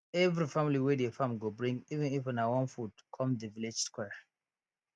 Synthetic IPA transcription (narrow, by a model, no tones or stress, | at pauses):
ɛvɹifamiliwedefãmɡobɹĩŋɡivɛ̃nifɔ̃nawɔ̃nfudkʰɔ̃mðəviled͡ʒskwɛ